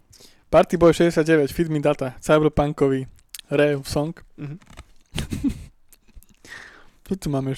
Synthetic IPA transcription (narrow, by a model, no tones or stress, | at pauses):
paɾt̪ibɔjɛʃɛzɟɛsɪjad̪ɟɛʋɛcfid̪mid̪at̪at͡sabɾɔpaŋkɔʋi | ɾɛsɔŋk | it̪umaːmɛɛ